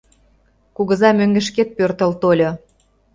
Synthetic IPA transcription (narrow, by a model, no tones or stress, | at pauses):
kuɣə̆zɑmøŋɡĕʃ̬ket̪̚pørt̪əlt̪olʲɤ